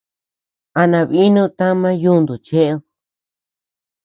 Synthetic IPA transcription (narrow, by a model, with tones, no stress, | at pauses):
a˧nã˧βi˦nũ˦t̪ã˦mã˦ju˦˧nd̪u˨t͡ʃe˦ʔ